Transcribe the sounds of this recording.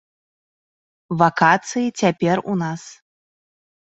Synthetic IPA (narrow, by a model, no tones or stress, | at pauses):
vakat̪sɨjit͡sʲapʲɛrṵnas